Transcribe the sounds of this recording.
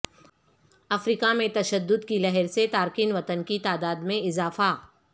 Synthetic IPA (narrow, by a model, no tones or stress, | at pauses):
ɐfɾiːkamẽt̪ɐʃəd̪ːʊd̪kilɛɦɛɾset̪aːɾkiːnʋɐt̪ənkit̪aːd̪aːd̪mẽɪzaːfa